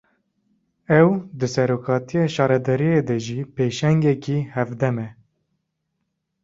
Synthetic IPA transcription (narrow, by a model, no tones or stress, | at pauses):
ɛwd̪ɨsɛɾoːkʰɑːt̪ijɑːʃɑːɾɛd̪ɛɾijed̪ɛʒipeːʃɛŋɡɛkihɛvd̪ɛmɛ